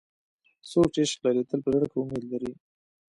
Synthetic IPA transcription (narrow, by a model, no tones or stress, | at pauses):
soʈeʃklaɾit̪əlpəzaɽkeʊmed̪laɾi